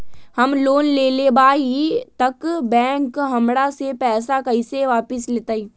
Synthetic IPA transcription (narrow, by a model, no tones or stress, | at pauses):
hɐmloːnleːlebaːit̪ɐkbɛ̃ːŋkɦɐmɽasepɛːs̬akɐiseʋaːpɪsleːt̪aːiː